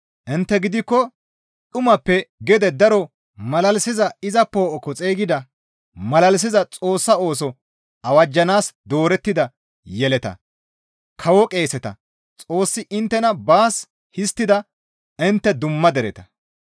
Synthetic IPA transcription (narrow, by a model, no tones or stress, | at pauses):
ʔɪnt̪ːɛɡɪd̪ɪkːɔ | t̪ʼʊmɐpːɛɡɛd̪ɛd̪ɐɾɔ | mɐlɐlsɪzɐɪzɐpːoːʔɔkɔt͡sʼeːɡɪd̪ɐ | mɐlɐls̬ɪzɐt͡sʼo̞ːsːɐo̞ːs̬ɔ | ʔɐwɐd͡ʒːɐnaːsd̪o̞ːɾɛt̪ːɪd̪ɐ | jɛlɛt̪ɐ̰ | kʰɐwɔkʼe̞ːsɛt̪ɐ̰ | t͡sʼo̞ːsːɪʔɪnt̪ːɛnɐbaːs | hɪst̪ːɪd̪ɐ | ʔɪnt̪ːɛd̪ʊmːɐd̪ɛɾɛt̪ɐ̥